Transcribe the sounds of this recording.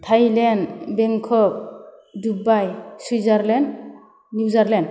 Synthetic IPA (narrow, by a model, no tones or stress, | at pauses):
tʰajlenbeŋkʰɔk̚ | dubajsuzaɾlɛndː | uzaɾland